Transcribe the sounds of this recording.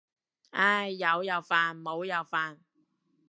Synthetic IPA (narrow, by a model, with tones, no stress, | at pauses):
aː˥˩jːɐ˨˧wjɐ˨˧wfaː˨˧nmo˨˧wjɐ˨˧wfaː˧n